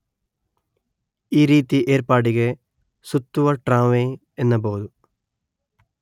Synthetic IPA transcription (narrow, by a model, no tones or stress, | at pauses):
iːɾiːt̪ːiʔeːɾpaːɽiɣe | sut̪ːuʋɐʈraːʋeː | enːɐp̬oːðu